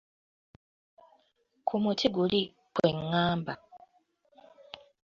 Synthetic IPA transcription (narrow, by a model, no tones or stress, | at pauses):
kʰumutʰiɡuli | kwe̞ŋːaːmba